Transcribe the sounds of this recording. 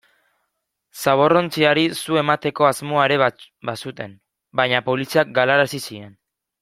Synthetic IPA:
saβ̞o̞ro̞nt͡siaɾisue̞mat̪e̞ko̞azmo̞aeɾe̞ | basut̪e̞m | bajɲapo̞lisiak̚ɡalaɾasisie̞n

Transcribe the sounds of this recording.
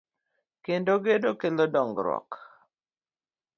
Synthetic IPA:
kendoɡedokelodɔŋɡɾɔ̰k

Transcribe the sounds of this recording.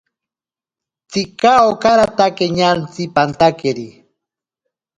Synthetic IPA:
t͡sikaokaɾat̪akeɲant͡sipant̪akeɾi

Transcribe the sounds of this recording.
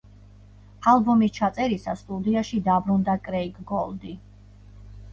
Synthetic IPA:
alˠbɔmist͡ʃʰat̪sʼɛɾisast̪ʼud̪iaʃid̪abɾund̪akʼɾɛikʰʼɡɔlˠd̪i

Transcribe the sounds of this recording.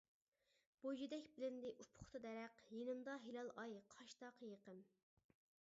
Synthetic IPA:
b̥od͡ʒid̪ɛkʲbɪlɪnd̪ɪʔupʰʊ̥χt̪ʰɨd̪ɛɾɛqjenɨmd̪ɑɦelɑlˠɑjqʰɑʃt̪ɑqʰjeqəm

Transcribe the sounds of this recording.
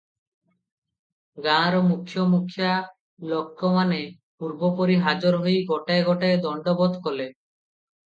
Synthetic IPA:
ɡãɾomukʰːjomukʰːja | lɔkːɾɔmane | puɾbopoɾiɦad͡ʒoɾɦojɡɔʈaeɡɔʈaed̪ɔɳɖɔbɔd̪kɔle

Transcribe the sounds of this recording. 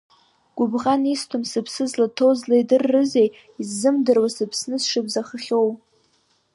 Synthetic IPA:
ɡ̥ʷʊbʁanistʰʊmsɨpʰsɨzlatʰowzlajdɨrːɨzej | izːɨmdɨrwasɨpʰsnɨsʂɨbzaχəχʲow

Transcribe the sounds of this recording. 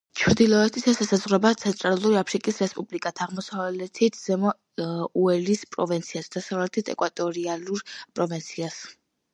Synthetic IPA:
t͡ʃʰɾd̪ilˠɔɛt̪ʰisasasazʁɾɔbat̪sʰɛnt̪ʼɾalˠuɾiapʰɾikʼisɾɛspʼublikʼat̪ʰaʁmɔsavlɛt̪ʰit̪ʰz̥ɛmɔ | uɛlispʼɾɔvint̪sʰiasd̪̥asavlɛt̪ʰit̪ʰɛkʼwat̪ʼɔɾialuɾpʼɾɔvint̪sʰias

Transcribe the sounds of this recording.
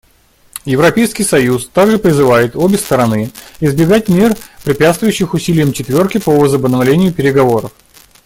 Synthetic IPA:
jɪvɾɐpʲejskʲɪjsɐjust̪aɡʐɨpɾʲɪzɨvajɪt̪o̞bʲɪst̪əɾɐnɨɪzbʲɪɡat̚ʲmʲe̞rpɾʲɪpʲat̪st̪vʊjʉɕːɪxʊsʲilʲɪjəmt͡ɕɪt̪vʲo̞rkʲɪpəvəzəbənɐvlʲenʲɪjʊpʲɪɾʲɪɡɐvo̞ɾəf

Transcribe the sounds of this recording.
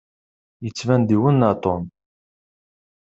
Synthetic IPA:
jət͡sːvænd̪iwənːɑt̪ˤon

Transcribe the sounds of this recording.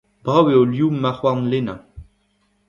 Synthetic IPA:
bʁaweoljumːaχwaʁnlena

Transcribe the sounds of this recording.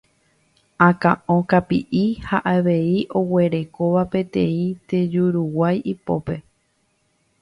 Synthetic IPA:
ãkã̰ʔõkapiʔihaʔaʋe̞iʔo̞we̞ɾe̞koʋapẽ̞t̪ẽ̞ĩt̪e̞d͡ʒuɾuwajʔipo̞̰pe̞

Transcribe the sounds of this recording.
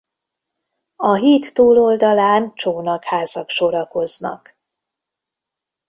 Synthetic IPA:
ɒɦiːt̪ːuːlo̞ld̪ɒlaːnt͡ʃoːnɒkhaːzɒkʃo̞ɾɒko̞znɒ̰k

